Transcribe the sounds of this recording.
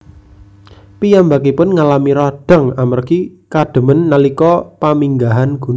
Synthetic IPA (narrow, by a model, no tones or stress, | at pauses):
pijambakipʊnŋalamiɾɔd̥a̤ŋamərkikad̥ə̤mənːalikɔpamiŋɡaɦanɡ̥ṳn